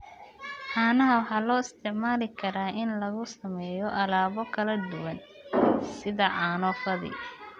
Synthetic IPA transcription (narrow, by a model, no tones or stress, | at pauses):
ħɑːnɐɦɐwɑħɑːlɔːɪst̪ʰɪʕmaːlɪkʰɐɾaːʔɪnlɐɣʊsɐmɛːjɔʔɐlaːβɔkʰɐlɐd̪ʊwɐn | sɪðɐʕɑːnɔːfɐðɪ̰